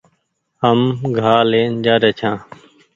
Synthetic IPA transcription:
ɦəmɡʱaːleːnd͡ʒaːɾeːt͡ʃʰãː

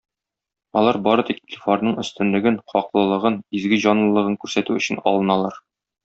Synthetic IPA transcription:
ɒlˠɑɾbɒɾɤ̆t̪ikt̪ʲifoɾnɤɴɵ̆st̪ɘ̆nlɘ̆ɡɘnχɒqlˠɤ̆lˠɤ̆ʁɤnizɡɘʑɒnlˠɤ̆lˠɤ̆ʁɤɴkʉɾsæt̪ʉɵ̆ɕɘnɒ̰lˠɤ̆nɑlˠɑɾ

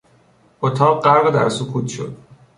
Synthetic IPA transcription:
ʔot̪ʰɒːʁɢæɾɣed̪æ̰ɾsukʰuːt̪ʰʃo̰d̪̥

